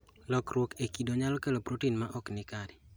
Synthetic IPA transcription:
lɔkɾwokekidoɲalɔkelopɾotinmaʔɔknɪkaɾɪ

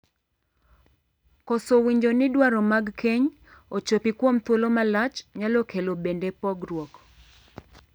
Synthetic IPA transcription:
kɔsowiɲd͡ʒonɪdwaɾɔmaɡkʰeɲ | ot͡ʃopikwomt̪wolomalat͡ʃɲalokelobendepɔɡɾwɔk

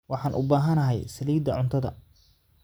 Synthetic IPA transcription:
wɑħɑːnʔʊbaːɦɐnɐɦɛjsɐliːd̪ɐʕʊnt̪ʰɐðɐ̰

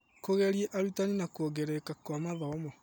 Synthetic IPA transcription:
koɣɛɾieʔaɾitaninakwoɡeɾekakwamaðaɔmɔ

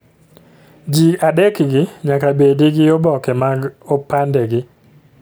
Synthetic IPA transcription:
d͡ʒiadɛkɡɪɲakabediɡɪɔbɔkɛmaɡopandɛɡɪ

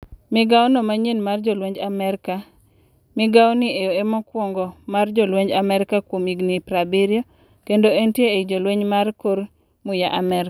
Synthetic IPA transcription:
mɪɡawnɔmaɲenmard͡ʒolweɲd͡ʒamɛɾka | mɪɡawonɪejoemɔkwɔŋɡɔmard͡ʒɔlweɲd͡ʒamɛɾɪkakwomiɡnipɾabiɾjo | kendoentjeed͡ʒolweɲmarkoɾ | mʊjaʔamɛɾa

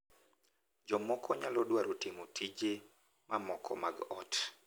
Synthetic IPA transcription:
d͡ʒɔmɔkʰɔɲalɔdwaɾotɪmotʰid͡ʒe | mamɔkʰɔ̰maɡɔt

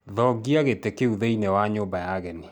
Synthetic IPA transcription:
ðɔɡiaɣetɛkeuðeinɛwaɲobajaɣɛne

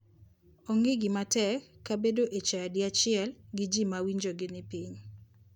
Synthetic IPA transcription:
oŋɪɡɪmatɛkːabedoʔet͡ʃaadɪat͡ʃɪɛlɡɪd͡ʒimawiɲd͡ʒoɡɪnɪpiɲ

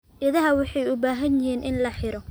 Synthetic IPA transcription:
ʔɪðɐɦɐwɑħɑjʊbaːɦɐnjɪɦiːnʔɪnlɐħɪɾɔ

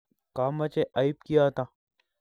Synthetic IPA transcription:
kaːmɐt͡ʃeʔaːipkijaɦt̪aː

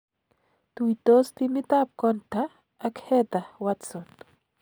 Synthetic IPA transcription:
t̪uit̪ost̪imit̪ap̚kont̪a | akhet̪ahwat͡sot̪

